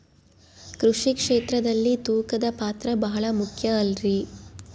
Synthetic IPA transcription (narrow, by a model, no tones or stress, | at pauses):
kɾuʂikʂeːt̪ɾɐd̪ɐlːit̪uːkɐd̪ɐpaːt̪ɾɐbɐɦɐɭɐmukʰjɐːlɾi